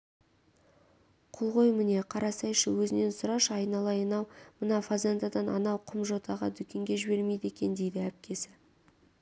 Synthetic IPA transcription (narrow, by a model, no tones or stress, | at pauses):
qʰolˠʁo̞jmɪne̞qʰɑɾɑsɑjʃəwɵzɪne̞nsʊɾɑʃɑjnɑlˠɑjənɑwmənɑfazent̪ɑd̪ɑnɑ̰nɑwqʰʊmʒo̞t̪ɑʁɑd̪ʏkʲe̞ŋɡʲe̞ʒɪbe̞ɾme̞jd̪e̞kʲe̞nd̪e̞jd̪ɪæp̚kʲe̞sɪ̥